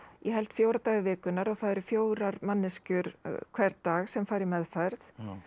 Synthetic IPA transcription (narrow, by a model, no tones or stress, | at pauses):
jʔɛɦɛlt̪fjoːwɾat̪aːɣɪvɪːkʏnːaɾawθaðɛɾʏfjoːwɾaɾmanːɪscʏɾkʰv̥ɛɾt̪aːɣsɛmfaːjɾɪmɛðfaɾθ